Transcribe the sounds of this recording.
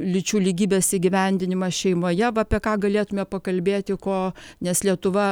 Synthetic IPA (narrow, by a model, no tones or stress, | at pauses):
lʲɪt͡ʃʲuːlʲiɡʲiːbʲeːsiːɡʲɪʋʲɛnʲd̪ʲɪnʲɪmɐʃʲɛɪmoːjɛʋɐɐpʲiɛkɑːɡɐlʲeːt̪ʊmʲɛːpɐkɐlʲbʲeːt̪ʲɪkoːnʲɛslʲiɛt̪ʊʋɐ